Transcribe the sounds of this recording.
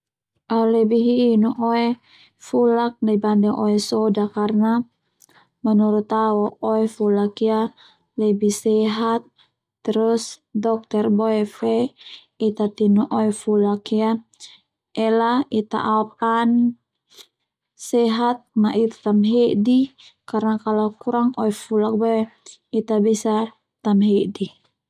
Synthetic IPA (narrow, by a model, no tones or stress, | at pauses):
ʔaulɛbiɦiːnuʔɔɛ | fulak̚dabandɛŋʔɔɛsɔdakarna | mənuɾut̪awɔɔɛfulakija | lɛbisɛɦat̪ː | əɾʊsdɔk̚t̪ɛrbɔɛfɛ | it̪at̪inuʔɔɛfulakia | ɛlait̪a̰ʔap̚an | sɛɦat̪̚naʔit̪ḁt̪amɦedikarnakalakuɾaŋɔɛfulak̚bɔɛ | it̪abisa | t̪amɦeʔdi